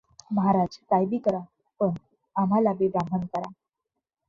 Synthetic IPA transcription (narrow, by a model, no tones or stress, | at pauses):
məɦaɾad͡ʑkajbikəɾa | pəɳ | am̤alabebamʱənkəɾa